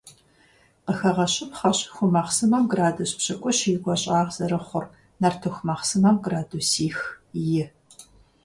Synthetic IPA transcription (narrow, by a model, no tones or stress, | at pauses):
qəxɐʁɐɕɪmχɐɕxʷʊmɐχsɨmɐmɡraːduɕpɕʼɐkʷʼɔɕiːɡʷɔɕʼaːʁz̥ɐɾɨχʷʊr | nɐrtʰɨxʷmɐχsɨmɐmɡraːduːsiːxjɪ